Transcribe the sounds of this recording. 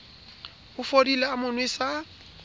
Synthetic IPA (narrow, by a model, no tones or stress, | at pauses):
ʊfodilaamʊnwesa